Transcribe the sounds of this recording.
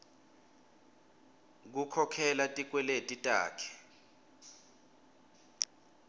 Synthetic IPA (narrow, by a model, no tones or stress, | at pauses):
k̬ukʰɔkʰɛlatʼik̬ʼwɛletʼitʼa̰ːkʰɛ̥